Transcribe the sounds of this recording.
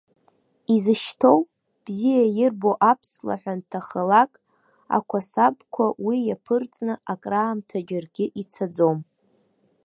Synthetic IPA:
izɨʃtʰo̞w | b̥zijajɪrboʔapʰsla̰ħʷᶣantʰaχəlakʼ | a̰kʷʰasabkʷʰawijapʰɨrt͡sʼnɨakʼraːmtʰad͡ʒarɡʲɪʔit͡sʰad͡zom

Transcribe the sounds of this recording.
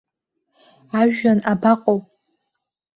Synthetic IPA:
aʒᶣanabaqʼowpʼ

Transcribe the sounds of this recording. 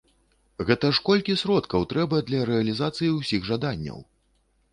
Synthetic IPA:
ɣɛt̪ɐʂkɔlʲkʲisʲɾɔt̪kɐwt̪ɾɛbɐd̪lʲɐɾɛɐlʲizat̪sɨjiwsʲiɣʐad̪anʲːɐ̰w

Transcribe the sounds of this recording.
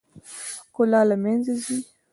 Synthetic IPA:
kolalamenzezi

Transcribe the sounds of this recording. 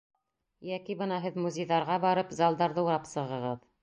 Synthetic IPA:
jækibɤnɑɦɘðmuzʲejðɑɾʁɑbɑɾɤpzɑlˠd̪ɑɾðɤuɾɑpsɤ̆ʁɤ̆ʁɤð

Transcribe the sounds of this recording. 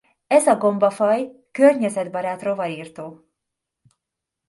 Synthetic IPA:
ɛzɒɡo̞mbɒfɒj | kørɲɛzɛd̪bɒɾaːt̪ro̞vɒɾiːrt̪oː

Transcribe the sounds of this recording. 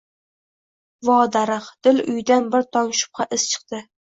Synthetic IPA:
vɒːd̪aɾɨqd̪̥ɪlʊ̰jd̪anbɪɾt̪ʰɒŋʃʊ̥p̚qʰɑʔɪz̥t͡ʃʰɨ̥qt̪ɪ

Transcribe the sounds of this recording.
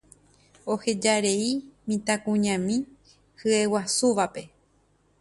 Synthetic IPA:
ohe̞d͡ʒaɾe̞imĩt̪akũɲãmĩ | hɨe̞wasuʋape̞

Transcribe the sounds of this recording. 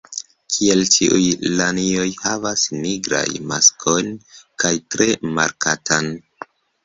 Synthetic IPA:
kʰielt͡ʃiʔujlanio̞jhavasniɡɾa̰jmaskʰo̞jnkajtɾe̞ma̰ɾkatan

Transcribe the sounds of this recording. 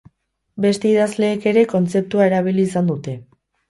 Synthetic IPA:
be̞st̪e̞iðazle̞ːke̞ɾe̞ko̞nt͡se̞p̚t̪uae̞ɾaβ̞iliːsand̪ut̪e̞

